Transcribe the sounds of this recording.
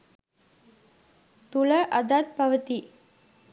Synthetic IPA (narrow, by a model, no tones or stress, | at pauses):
t̪uləʔəd̪at̪paʋət̪i